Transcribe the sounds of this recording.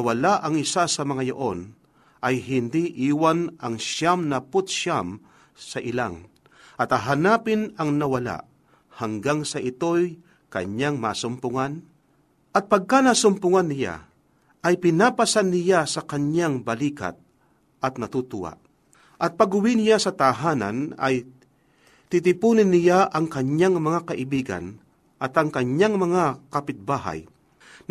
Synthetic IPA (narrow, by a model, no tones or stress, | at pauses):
ɐwɐlaʔɐŋɪsasɐmɐŋajo̰ʔo̞n | ʔɐjɦɪnd̪iʔiːwanʔɐŋʃamnɐpʊt̪̚ʃam | sɐʔɪla̰ŋ | ʔɐt̪haɦanaːpɪnɐŋnɐwɐla̰ʔ | hɐŋɡaŋsɐʔɪt̪o̞j | kɐ̰ɲaŋma̰ːsʊmpʊŋan | ʔɐt̪̚pɐɡ̚kanasʊmpʊŋanːɪja̰ | ʔɐjpɪnaːpɐsanːɪjasɐkɐɲaŋbɐliːka̰t̪̚ | ʔɐt̪̚nɐt̪ut̪ʊwa̰ʔ | ʔɐt̪̚pɐɡʊwɪnɪjasɐt̪aɦaːna̰nɐ̰j | t̪it̪ɪpuːnɪnːɪjaʔɐŋkɐɲjaŋmɐŋakɐʔɪbiːɡa̰n | ʔɐt̪ɐŋkɐɲjaŋmɐŋakapɪt̪̚baːɦa̰j | n